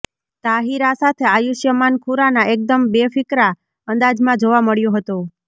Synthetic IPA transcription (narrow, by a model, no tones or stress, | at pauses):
t̪aɦiɾasat̪ʰeajuʃjəmankʰuɾanaʔek̚d̪əmbefɪkɾa | ənd̪ad͡ʒmãd͡ʒoʋaməɭjõɦət̪o